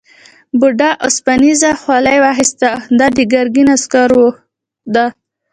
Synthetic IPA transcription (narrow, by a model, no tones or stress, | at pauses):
bʊɖaʔʊspanizaxwɑlajwaɦɪst̪ad̪ad̪əɡaɾɡinaskɑɾwo | d̪a